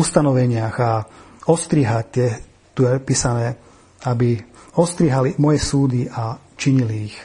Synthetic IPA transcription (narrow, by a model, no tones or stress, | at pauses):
ust̪anɔʋɛɲɪaɣaɔst̪ɾiɦac̚t̪ɪjɛ | t̪ujɛpiːsanɛː | abiɔst̪ɾiːɦalimɔjɛsuːd̪iʔa | t͡ʃiɲiliːx